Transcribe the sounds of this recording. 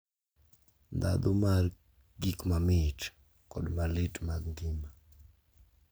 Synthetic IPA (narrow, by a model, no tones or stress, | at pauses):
nd̪a̰d̪ʊmar | ɡikmamɪt | kɔdmalɪtmaɡŋɡɪma